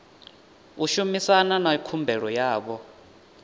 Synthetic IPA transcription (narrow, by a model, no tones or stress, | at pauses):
uʃumisananaikʰumbʱɛɺɔjaːkɔ